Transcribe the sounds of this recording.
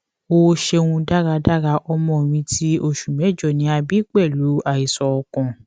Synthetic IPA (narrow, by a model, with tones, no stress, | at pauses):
o˧ʃe˧wũ˧da˦ɾa˧da˦ɾa˧˦ʔɔ˧mɔ̃˦˨mĩ˧tʰi˦o˧ʃu˨mɛ̃˨˦d͡ʒɔ˦˨nĩ˨˦a˧bi˦k͡pɛ˦˨lu˨˦a˦˨i˨sɔ˧ɔ˧kɔ̃˧˨